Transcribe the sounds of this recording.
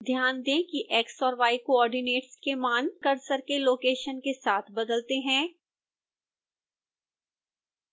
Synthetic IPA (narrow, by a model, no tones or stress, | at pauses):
d̪ʱjaːnd̪ẽːkiʔɛːksɔːɾʋaːikoɔːɾɖineːʈskemaːnkɐɾsəɾkeloːkeːʃənkesaːt̪ʰbɐd̪əlt̪eɦɛ̃ː